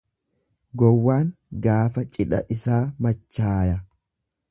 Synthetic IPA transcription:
ɡɔwːaːŋ | ɡaːfɐt͡ʃʼɪᶑɐ̰ʔɪsaːmɐt͡ʃːaːjɐ

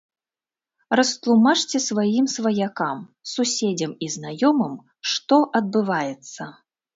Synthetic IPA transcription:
rɐst̪lˠumat͡ʂt͡sʲɛsvajimsvɐjakamsusʲed͡zʲɐmiznajɔmɨm | ʂt̪ɔʔɐd̪̚bɨvajɛt̪sːɐ

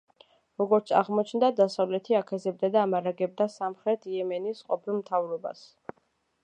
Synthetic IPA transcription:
ɾɔɡɔɾt̪sʰa̰ʁmɔt͡ʃʰnd̪ad̪asavlɛt̪ʰiakʰɛzɛb̚d̪ad̪aːmaɾaɡɛb̚d̪asamχɾɛt̪ʰiɛmɛnisqʼɔpʰilˠmt̪ʰavɾɔba̰s

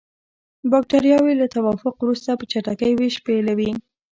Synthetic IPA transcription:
bɑk̚ʈaɾjɑwelat̪awɑfʊqwɾust̪apət͡ʃaʈakəjweʃpelawi

